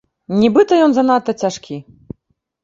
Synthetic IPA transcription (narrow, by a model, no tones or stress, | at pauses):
nʲibɨt̪ɐjɔnzɐnat̪ːɐt͡sʲaʂkʲi